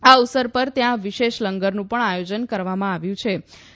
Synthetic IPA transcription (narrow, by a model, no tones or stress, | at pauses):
ausəɾpəɾt̪jãʋiʃeʃləŋɡəɾnũpəɳajod͡ʒənkəɾʋamãaʋjũt͡ʃʰe